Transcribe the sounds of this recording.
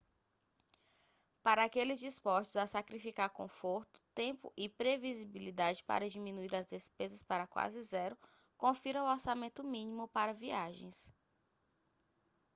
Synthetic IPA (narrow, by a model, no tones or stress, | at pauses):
paɾɐːkelɪzd͡ʒispɔʃt̪ʊzasakɾifikaɾkõ̰foɾt̪ʊ̥t̪ẽpʊ̰ʔɪpɾevizibilid̪ad͡ʒɪpa̰ɾɐd͡ʒimĩnuiɾɐzd̪espezɐspaɾɐkwa̰zɪzɛɾʊ | kõfiɾɐ̃woɾsamẽnt̪ʊmĩnĩmʊpaɾɐviaʒḛ̃j̃s